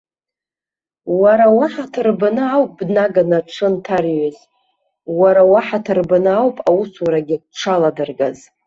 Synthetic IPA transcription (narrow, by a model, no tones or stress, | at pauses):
waɾawaħatʰɨrbanɨawpʼbnaɡanaʈ͡ʂʷʰɨntʰarɥaz | waɾawaħatʰɨrbanɨawpʼawuswɾaɡʲɪkʷʈ͡ʂʰaladɨrɡa̰z